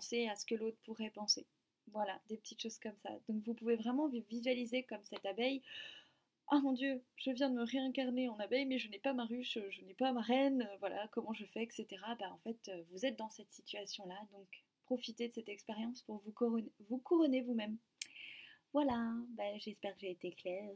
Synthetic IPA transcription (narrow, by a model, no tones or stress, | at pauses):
pɑ̃seasə̥kəlot̪χəpuʁɛpɑ̃se | vwalad̪epət̪ʰit̪ʃoz̥kɔmsa̰d̪ɔ̃kvupuvevʁɛmɑ̃vizɥalizekɔmsɛt̪abɛj | ʔamɔ̃d̪jøʒ̥əvjɛ̃d̪əməʁeɛ̃kaʁneɑ̃nabɛjmɛʒənɛpamaʁyʃøʒənɛpamaʁɛnøvwalʔa̰kɔmɑ̃ʒəfɛːkset̪eʁabaɑ̃fɛt̪øvuzɛt̪̚d̪ɑ̃sɛt̪sit̪ʰɥasjɔ̃lad̪ɔ̃k | pχɔfit̪ed̪əsɛt̪ɛkspeʁjɑ̃spuʁvukɔʁɔnvukuʁɔnevumɛm | vwalabaʒɛspɛʁkəʒeːt̪eklɛːʁ